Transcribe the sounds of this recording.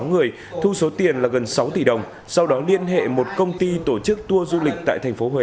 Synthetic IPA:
ŋɨ˨˩əj | t̪ʰu˧so˨˦t̪i˨˩ənlaː˨˩ɣə˨˩nsa˨˦wt̪i˧˨˩ɗə˨˩wŋ͡m | sa˧wɗɔ˨˦li˧ənɦḛ˧˨mo˨˩t̚kə˧wŋ͡mt̪i˧t̪o˧˩t͡ɕɨ˦˥k̚t̪u˧əzu˧lï˨˩k̟̚t̪a̰ː˧˨jt̪ʰɛ˨˩ŋ̟fo˨˦ɦwe˨˧˨

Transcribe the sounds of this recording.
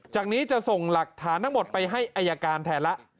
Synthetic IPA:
t͡ɕaː˨˩k̚niː˦˥t͡ɕa˨˩so˨˩ŋla˨˩k̚t̪ʰaː˩˦nt̪ʰa˦˥ŋmo˨˩t̪̚pa˧jɦa˥˩jʔaː˧jːa˧kaː˧nt̪ʰɛː˩˦nla˦˥ʔ

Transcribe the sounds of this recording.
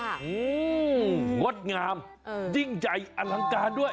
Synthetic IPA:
ʔɯː˧˦ | ŋo˦˥t̪̚ŋaː˧m | d͡ʑi˧˥˩ŋt͡ɕa˨˦jʔa˧la˧˦ŋkaː˧ndu˥˩əj

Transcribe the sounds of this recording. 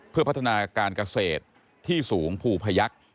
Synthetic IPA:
pʰɯ˥˩pa˦˥t̪ʰːa˧naː˧kaː˧nka˧seː˨˩t̪̚ʰː | iː˥˩suː˩˦ŋpʰuː˧pʰa˧ja˦˥k̚

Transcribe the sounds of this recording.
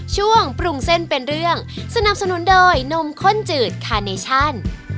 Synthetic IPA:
t͡ɕʰu˥˩əŋpɾu˧ŋse˥˩npe˧nɾɯ˥˩əŋsa˧na˨˩p̚sa˧nu˨˦˥ndɤː˧jno˧˥mkʰo˥˩nt͡ɕɯː˨˩t̪̚kʰaː˧neː˧t͡ɕʰa˥˩n

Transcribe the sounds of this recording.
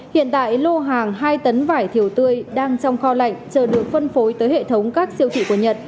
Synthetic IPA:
hḭ˧˨ənt̪a̰ː˧˨jlo˧ɦaː˨˩ŋɦaː˧jt̪ə˨˦nvaː˧˩jt̪ʰi˨˧˩əwt̪ɨ˧əjɗaː˧ŋt͡ɕɔ˧wŋ͡mxɔ˧la̰˧˨jŋt͡ɕəː˨˩ɗɨ˨˩ək̚fə˧nfo˨˦jt̪əː˨˦jhḛ˧˨t̪ʰə˨˦wŋ͡mkaː˦˥k̚si˧əwt̪ʰḭ˧˨ku˧˩ɲə˨˩t̚

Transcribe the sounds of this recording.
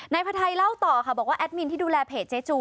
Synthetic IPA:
na˧jpʰa˧t̪ʰa˧jla˥˩wt̪ɔː˨˩kʰa˧˩bɔː˨˩kwaː˥˩ʔɛ˦˥t̪̚mi˧nt̪ʰiː˥˩duː˧lɛː˧pʰeː˨˩t̪̚t͡ɕe˦˥t͡ɕuː˧˩

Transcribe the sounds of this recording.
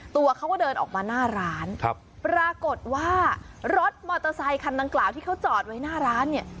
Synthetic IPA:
t̪u˧ɐkʰa˦˥wkɔ˥˩dɤː˧nʔɔ̰ː˨˩k̚maː˧naː˥˩ɾaː˦˥nkʰp̚pɾaː˧ko˨˩t̪̚waː˥˩ | ɾo˦˥t̪̚mɔː˧t̪a˧sa˧jkʰa˧nda˧ŋklaː˨˩wt̪ʰiː˥˩kʰwt͡ɕɔː˨˩t̪̚wa˦˥jnaː˥˩ɾaː˦˥nːi˥˩ɐ

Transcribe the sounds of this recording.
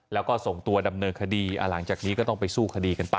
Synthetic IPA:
lɛː˦˥wkɔː˥˩so˨˩ŋt̪u˧ɐda˧mnɤː˧nkʰa˧diː˧ʔa̰˧˩la˩˦ŋt͡ɕaː˨˩k̚niː˦˥kɔː˥˩t̪ɔ˥˩pa˧jsuː˥˩kʰa˧diː˧ka˧npa˧

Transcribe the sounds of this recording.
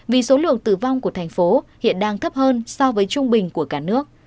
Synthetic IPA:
vi˨˩so˨˦lɨ̰˧˨əŋt̪ɨ˧˩va˧wŋ͡mku˧˩ət̪ʰa˨˩ŋ̟fo˨˦hḭ˧˨ənɗaː˧ŋt̪ʰə˦˥p̚həː˧nsɔ˧vəː˨˦jt͡ɕʊ˧ŋ͡mɓï˨˩ŋ̟ku˧˩əkaː˧˩nɨ˦˥ək̚

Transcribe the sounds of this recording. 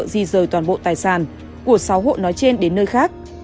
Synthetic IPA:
zi˧˩zəː˨˩jt̪waː˨˩nɓo̰˧˨t̪aː˨˩jsaː˧˩n | ku˧˩ək̚saː˨˦wɦo̰˧˨jnɔ˨˦jt͡ɕe˧nɗe˨˦nːəː˧jxaː˦˥k̚

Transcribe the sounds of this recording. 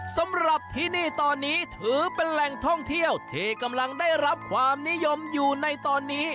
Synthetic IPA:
sa˨˦mɾa˨˩p̚t̪ʰiː˥˩niː˥˩t̪ɔː˧nːiː˦˥t̪ʰɯː˨˩˦pe˧nlɛ˨˩ŋt̪ʰɔ˥˩ŋt̪ʰi˥˩əwt̪ʰiː˧˩ka˧mla˧ŋdaː˥˩jɾa˦˥p̚kʰwaː˧mni˦˥jo˧mjuː˨˩na˧jt̪ɔː˧nːiː˦˥

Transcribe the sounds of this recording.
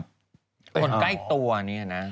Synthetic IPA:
kʰo˧nkla˥˩jt̪u˧ɐɐa˧ni˦˥a˨˩na˦˥

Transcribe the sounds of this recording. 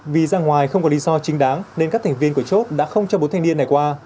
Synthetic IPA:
vi˨˩zaː˧ŋwaː˨˩jxə˧wŋ͡mkɔ˨˦li˨˦zɔ˧t͡ɕï˨˦ŋ̟ɗaː˨˦ŋne˧nkaː˦˥k̚t̪ʰŋvi˧ənku˧˩ət͡ɕo˦˥t̚ɗa̰ː˧˥xə˧wŋ͡mt͡ɕɔ˧ɓo˨˦t̪ʰŋni˧ənːa˨˩jkwaː˧

